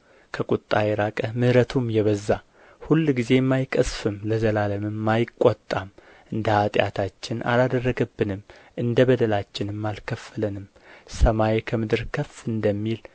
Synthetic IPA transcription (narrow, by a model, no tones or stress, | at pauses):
kʰəkʼut̪ʼːajɛɾakʼəmɨhɾət̪ʰumjɛβəzːa | hulːɡize̞mːajkʼəsfɨmləzəlaləmɨmːajɪkʼːot̪ʼːam | ʔɨnd̪əhat̪ʼja̰t̪ʰat͡ʃːɪnʔa̰lad̪ərːəɡəbːɨnɨmʔɨnd̪əbəd̪əlat͡ʃːɪnɨmːalkʰəfːələnɨm | səmajkʰəmɨd̪ɨɾkʰəfɨnd̪əmːil